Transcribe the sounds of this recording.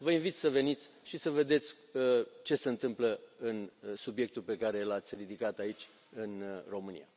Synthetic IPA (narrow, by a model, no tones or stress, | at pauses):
vəinvit̪sʲsəve̞nit̪sʲʃisəve̞d̪e̞t̪sʲ | ət͡ʃe̞se̞ɨnt̪ɨmpləɨnsubje̞k̚t̪ulpe̞kaɾe̞lat̪sʲrid̪ikat̪ait͡ʃʲ | ɨnro̞mɨnḭja̰